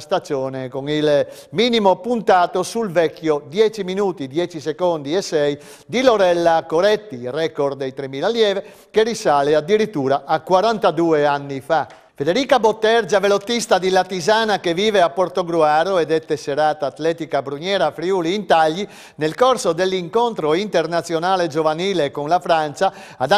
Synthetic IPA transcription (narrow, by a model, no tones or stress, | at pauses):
st̪ad͡ʒoːnekoŋil | miːnimopunt̪aːt̪osulvɛkːjod̪jɛːt͡ʃiminuːt̪id̪jɛːt͡ʃisekond̪iɛsːɛj | d̪iloɾɛlːakoɾɛt̪ːirɛːkoɾd̪ejt̪ɾemiːlaljɛːve | kerisaːlead̪ːiɾit̪ːuːɾaʔakwaɾant̪ad̪uːeanːifa | fed̪eɾiːkabot̪ːɛɾd͡ʒavelot̪ːist̪ad̪ilat̪izaːnakeviːveapːoɾt̪oɡɾuaːɾoɛd̪ɛt̪ːeseɾaːt̪aːt̪lɛːt̪ikabɾuɲɛːɾafɾjuːliːnt̪aʎːi | nelkorsod̪elːiŋkont̪ɾoint̪eɾnat̪sːjonaːled͡ʒovaniːlekonlafɾant͡ʃa | ad̪a